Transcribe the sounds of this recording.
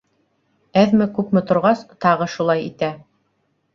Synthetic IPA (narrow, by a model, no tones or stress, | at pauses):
æðmɘkʉpmɘ̆t̪ŏɾʁɑst̪ɑʁɤʃulˠɑjit̪æ